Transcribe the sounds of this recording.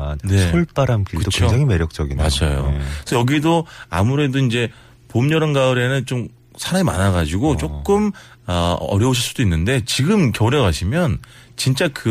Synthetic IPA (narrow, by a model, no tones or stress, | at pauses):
nne̞sʰuɭp͈aɾankikɯdokt͡ɕkeod͡ʑaŋeme̞ɾjʌk̚t͡ɕ͈ʌɡinma̰d͡ʑajo̰sʰʌjʌɡidoa̰muɾe̞doind͡ʑe̞ | pomɲʌɾɯnɡaɯɾe̞nɯnt͡ɕom | sʰaɾaŋima̰naɡad͡ʑiɡot͡ɕ͈okk͈ɯm | ʌʌ̰ɾjʌuɕʰiɭs͈udoinːɯnde̞t͡ɕiɡɯmkjʌɾeɡaɕʰimjʌnt͡ɕint͡ɕ͈akɯ